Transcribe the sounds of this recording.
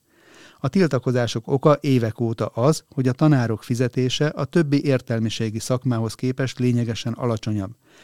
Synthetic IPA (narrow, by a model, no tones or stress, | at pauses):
ɒt̪ilt̪ɒko̞zaːʃo̞ko̞kɒʔeːvɛkoːt̪ɒʔɒzho̞ɟɒt̪ɒnaːɾo̞kfizɛt̪eːʃɛʔɒt̪ø̞bːiʔeːrt̪ɛlmiʃeːɡisɒkmaːɦo̞skeːpɛʃt̪leːɲɛɡɛʃɛnɒ̰lɒt͡ʃo̞ɲɒbː